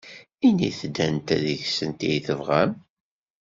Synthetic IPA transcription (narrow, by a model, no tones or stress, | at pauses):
iniθd̪ːænt̪æðəçsənt̪ijθəvʁæm